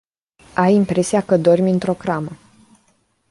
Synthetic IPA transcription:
ajimpɾe̞siakəd̪o̞rmʲɨnt̪ɾo̞kɾamə

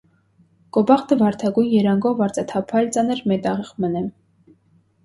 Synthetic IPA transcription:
kʼɔbɑʁt̪əvɑɾt̪ʰɑɡujnjɛɾɑŋɡɔvɑɾt͡sʼɛt̪ʰɑpʰɑjlt͡sɑnəɾmɛt̪ɑʁɛʁmənɛm

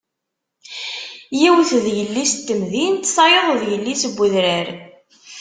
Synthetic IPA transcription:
jiwθðjəlːist̪ːəmðint̪sɑjəðˤðjəlːisəbʷːəðɾəɾ

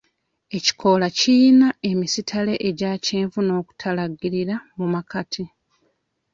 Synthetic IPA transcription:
e̞ci̥kʰo̞lacinae̞misitʰale̞ʔeɟaːceːɱvuno̞ːku̥tʰalaɡiɾiɾamumakatʰi

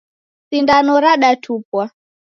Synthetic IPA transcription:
sindanɔɾaɗatʰupwa

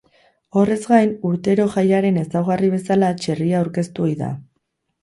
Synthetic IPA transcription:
o̞re̞zɣajnuɾt̪e̞ɾo̞ʝajaɾe̞ne̞sawɣariβ̞e̞salat͡ʃe̞riaːwɾke̞st̪uo̞jða̰

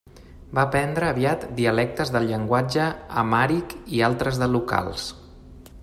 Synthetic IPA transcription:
bapɛnd̪ɾəːβiat̪d̪iəlɛk̚t̪əzðəlʎəŋɡwad͡ʒə̰ːmaɾikialˠt̪ɾəzðəluka̰lˠs

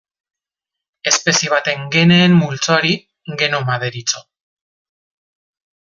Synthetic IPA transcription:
e̞spe̞sieβ̞at̪e̞ŋɡe̞ne̞ːmmult͡soaɾi | ɡe̞no̞mað̞e̞ɾit͡so̞

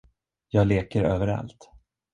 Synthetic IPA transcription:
jɑːɡleːkəɾøːvəɾa̰lt̪

